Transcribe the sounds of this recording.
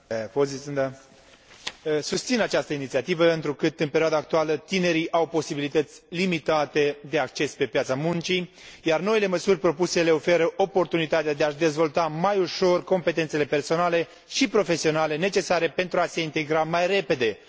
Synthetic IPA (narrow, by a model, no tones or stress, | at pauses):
pozisɨnd̪a | sust̪sinat͡ʃast̪əinit̪siat̪ivəɨnt̪ɾukɨt̪ɨnpeɾioad̪aːk̚t̪ualət̪ine̞ɾiʔawpo̞sibilit̪ət̪sʲlimit̪at̪e̞d̪e̞akt͡ʃe̞spe̞pjat̪samunt͡ʃijarno̞ile̞məsurʲpɾo̞puse̞le̞o̞fe̞ɾəʔo̞po̞rt̪unit̪at̪ead̪e̞aʃd̪e̞zvo̞lt̪amajuʃo̞rko̞mpe̞t̪et̪sele̞pe̞rso̞nale̞ | ʃipɾo̞fe̞sio̞nale̞ne̞t͡ʃe̞saɾe̞pe̞nt̪ɾuase̞int̪e̞ɡɾamajre̞pe̞d̪e̞